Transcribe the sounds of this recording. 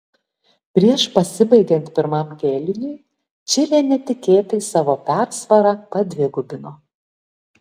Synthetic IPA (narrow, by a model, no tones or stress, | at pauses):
pʲɾʲiɛʃpɐsʲɪbɐɪɡʲɛnt̪ʲpʲɪɾmɐmɡʲeːlʲɪnʲɪɪ | t͡ʃʲɪlʲɛːnʲɛt̪ʲɪkʲeːt̪ɐːsɑːʋoːpʲæɾsʋɐɾɑːpɐd̪ʲʋʲɪɡʊbʲɪnoː